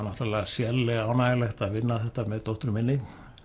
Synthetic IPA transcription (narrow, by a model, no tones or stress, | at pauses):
nɔht̪alasjɛlːɪaːwnajɛlɛht̪aðʋɪnːaθɛht̪amɛðt̪owht̪ɾmɪnːɪt̪